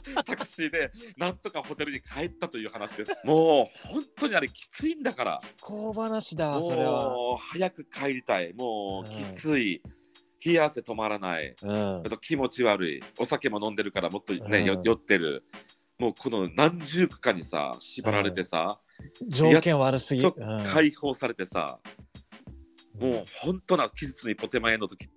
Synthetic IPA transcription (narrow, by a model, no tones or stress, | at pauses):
t̪akɯ̟̥ɕid̪e̞nãnt̪o̞kaho̞t̪e̞ɾɯ̟ɲ̟ikʰae̞t̪ːat̪o̞jɯ̟ːhanaɕid̪esmo̞ːhõ̞nt̪oɲ̟iaɾe̞kʲi̥t͡sɨĩnd̪akaɾa̰kʰoːbanaɕid̪amoːoɾeahajakɯ̟kʰaeɾʲit̪aimo̞ːkʲit͡sɨi | çʲiase̞t̪o̞maɾana̰ḭɯ̃at̪o̞kʲimo̞t͡ɕiβaɾɯ̟̰ḭo̞sake̞mo̞nõ̞nd̪e̞ɾɯ̟kaɾamo̞t̪ːo̞ne̞ojo̞t̪ːe̞ɾɯ̟̰ | mo̞ːkʰo̞no̞nãɲ̟d͡ʑɨːkɯ̟̥kãɲ̟ːisa̰ɕibaɾaɾe̞t̪e̞sa̰ | d͡ʑoːjakẽɰaɾɯsɨɡʲiokʰaiho̞ːsaɾe̞t̪e̞sa̰ | mo̞ːhõ̞nt̪o̞nakʲizɨt͡sɨɲ̟ipo̞t̪e̞mae̞not̪okʲi̥